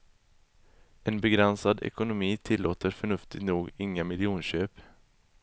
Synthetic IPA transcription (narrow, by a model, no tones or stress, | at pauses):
ɛnbɛɡɾɛnsad̪ɛ̰kʊnʊmiːt̪ʰɪlːoːt̪əɾfœɳɵft̪ɪt̪nuːɡɪŋːamɪljuːnɕøːp